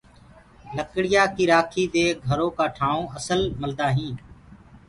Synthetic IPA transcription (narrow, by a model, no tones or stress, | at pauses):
ləkɽɪjaːkiːɾaːkʰiːd̪eːɡʱəɾõːkaːʈʰaːõːʔəsəlməld̪aːɦĩː